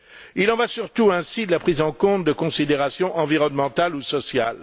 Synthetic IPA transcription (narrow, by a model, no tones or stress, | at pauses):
ilɑ̃vasyʁt̪uɛ̃sid̪əlapχizɑ̃kɔ̃t̪̚d̪əkɔ̃sid̪eʁasjɔ̃ʔɑ̃viʁɔnmɑ̃t̪alusɔsjal